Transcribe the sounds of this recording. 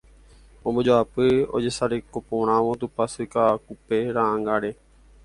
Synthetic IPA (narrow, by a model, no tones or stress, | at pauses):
õːbəd͡ʒoaːpəo̰ːd͡ʒeːsaːɾeːkopoːɳãːʋõːt̪uːpəsikaːkupeːɾãːŋɡaːɽeː